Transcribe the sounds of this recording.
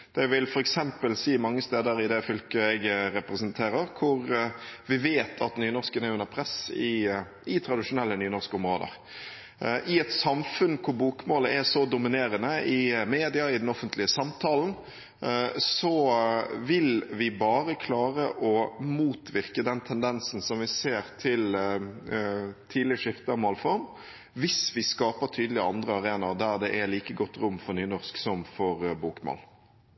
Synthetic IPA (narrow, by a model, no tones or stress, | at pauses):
d̪̥ɛʋɪlfɔɾɛksɛmpəlsiːmɑŋːəst̪eːd̪əɾɪd̪ɛfʏlkəɛɡɾɛpɾɛsənt̪ʰeːɾəɾkʰʊɾʋɪʋeːt̪ʰɑ̰t̪nyːnɔɾʂkənæɛɾʉnəpʰɾɛsɪ | ɪt̪ʰɾɑd̪ɪʂʊnɛlːənyːnɔʁʂkəʊmɾoːd̪ə̰ɾ | ʔɪɛt̪sɑmfʉnkʰʊɾbuːkmoːləɛsɔd̪ʊmɪneːɾənəɪmeːd̪ɪɑɪd̪ɛnɔfənt̪lɪəsɑmt̪ʰɑːln̩ | sɔʋɪlʋɪbɑːɾəkʰlɑːɾəʔɔmuːt̪ʰʋɪʁkəd̪ɛnt̪ʰɛnd̪ɛnsn̩sɔmʋɪseːɾt̪ʰɪl | t̪ʰiːd̪lɪəʂɪft̪əmoːlfɔɾm | ʋɪsʋɪskɑːpəʈ̪ʰyːd̪əlɪɑnd̪ɾəɑʁeːnɑɾd̪æɾd̪ɛʔɛliːkəɡɔt̪ːɾʊmːfɔɾnyːnɔɾsksɔmfɔɾbuːkmo̰l